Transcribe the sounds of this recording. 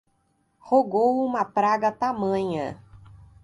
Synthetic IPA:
hoɡowũmɐpɾaɡɐt̪amɐ̃ɲɐ

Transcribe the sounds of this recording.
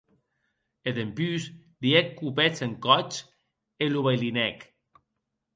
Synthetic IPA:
eðempys | liekːupet͡seŋkɔt͡ʃ | eluβajlinɛk

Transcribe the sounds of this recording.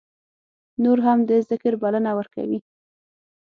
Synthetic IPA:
noɾɦamd̪əzɪkəɾbalənawəɾka̰wi

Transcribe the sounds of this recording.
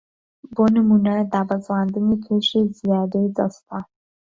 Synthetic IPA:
bonamunad̪ɑːbazwɑnd̪ənekʰeʃezijɑd̪ed͡zast̪a

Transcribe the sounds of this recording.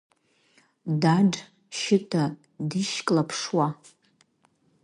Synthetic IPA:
daɖ͡ʐ | ʃɪtʼʰa | diʃkʼlapʰʂwa

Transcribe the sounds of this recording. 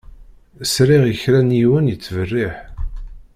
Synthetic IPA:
sɾiʁjəçɾænjiwənjət͡sːvərːiħ

